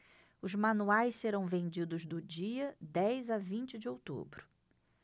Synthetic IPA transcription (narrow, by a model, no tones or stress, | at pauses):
ʊzmɐ̃nuajsseɾɐ̃w̃vẽnd͡ʒid̪ʊzd̪ʊd͡ʒiɐd̪ɛjzɐvĩnt͡ʃɪd͡ʒɪowt̪ṵbɾʊ